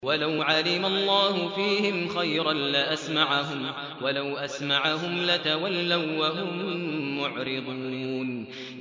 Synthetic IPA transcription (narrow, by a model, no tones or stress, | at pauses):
walawʕalɪmalˤːɑːhʊfiːhɪmxajɾɑnlaʔasmaʕaɦʊm | walawʔasmaʕaɦʊmlat̪awalːawwaɦʊmːʊʕɾɪd̪ˤuːn